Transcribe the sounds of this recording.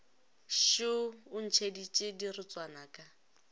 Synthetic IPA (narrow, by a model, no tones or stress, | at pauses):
ʃʊʊn̩t͡ʃʰedit͡ʃʼɪdirʊt͡sʼwanaːkʼa